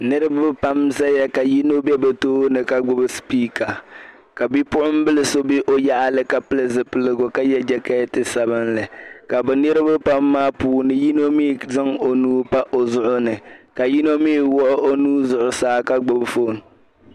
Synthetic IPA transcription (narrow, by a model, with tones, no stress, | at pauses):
nɨ˦ɾɨ˦bʊ˦pa˦mza˦jɛ˦ka˨ji˦no˦bɛ˦bɛ˨toː˦nɨ˨ka˦ɡ͡bʊ˦bɨ˦spiː˦ka˨ | ka˨bi˦pʊ˦ʔʊ˦m˦bɨ˦lɨ˦so˦bi˦ʔo˦ja˦ʔa˦lɨ˦ka˨pɨ˦lɨ˦zɨ˨pɨ˨lɨ˨ɡʊ˨ka˦jɛ˦d͡ʒɛ˦kɛ˦tɨ˦sa˨βɨ˦nlɨ˨ka˨bɛ˨nɨ˦ɾɨ˦bʊ˦pa˦mːaː˦puː˨nɨ˦ji˦no˦mi˦˨zɨ˦ŋo˨nuː˦pa˦ʔo˨zʊ˦ʔʊ˦nɨ˨ka˨ji˦no˦mi˦wɔ˦ʔʊ˦ʔo˦nuː˦zʊ˨ʔʊ˨saː˨˦ka˦ɡ͡bʊ˦bfo˦˨n˨